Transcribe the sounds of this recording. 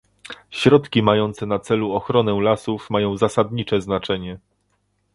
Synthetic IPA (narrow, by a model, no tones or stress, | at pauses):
ɕɾɔt̪kʲimajɔnt̪sɛnat̪sɛluɔxɾɔnɛlasufmajɔ̃w̃zasad̪ɲit͡ʂɛznat͡ʂɛɲɛ